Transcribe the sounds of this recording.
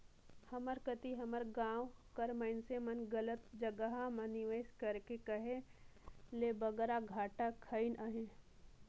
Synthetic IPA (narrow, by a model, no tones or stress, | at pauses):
hɐməɾkət̪iɦɐməɾɡãːwkɐɾməɪnsemɐnɡɐlət̪d͡ʒəɡəɦaməniʋeːskɐɾkekəɦe | lebɐɡəɾaɡʱaːʈakʰːəinʔaɦẽ